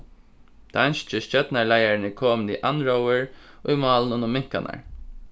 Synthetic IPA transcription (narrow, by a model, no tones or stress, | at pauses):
t̪ʰːanst͡ʃɪst͡ɕœt̪naɹlajaɹɪnɪkʰoːmnɪʔanɹɔwɪɹ | ʔʊjmɑːlnʊnʊmɪŋ̥ka̰na̰ɹ